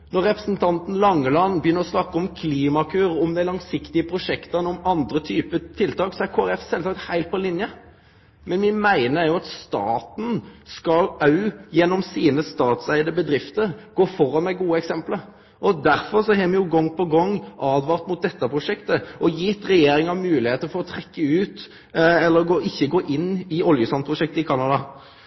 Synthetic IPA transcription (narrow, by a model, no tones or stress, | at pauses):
nɔɾɛpɾəsn̩t̪ʰɑnt̪n̩lɑŋːəlɑnːbjʏnːəɾɔsnɑkːɔmkʰliːmɑkʰʉːɾɔmd̪æɪlɑŋsɪkt̪ɪəpʰɾʊʂɛkt̪ɑnɔmɑnd̪ɾət̪ʰyːpət̪ʰɪlt̪ʰɑːksɔæɾkʰoːæɾɛfsɛlsɑːkt̪hæɪlt̪̚pʰɔlɪnjə | mɛnmɪmæɪnəæɾjʊɑt̪st̪ɑ̰ːt̪n̩skɑɑʉjɛnːɔmsiːnəst̪ɑːt̪sæɪd̪əbəd̪ɾɪft̪əɾɡoːfɔɾɑnmɛɡuːəɛksɛmpləɾ | ʔɔd̪æɾfɔɾsɔɦɛːmɛjʊɡɔŋːpʰɔɡɔŋːʔɑːd̪ʋɑːʁt̪mʊt̪̚d̪ɛt̪ːəpʰʁʊʂɛkt̪əʔɔjiːɛt̪ːɾɛjeːɾɪŋɑʋmʉːlɪheːt̪əɾfɔɾɔt̪ʰɾɛkːəʉːt̪ | ɛlːəɾɡoːɪçːəɡoːʔɪnːɪɔljəsɔnpʰɾʊʂɛk̚t̪əɪkʰɑnɑd̪ɑ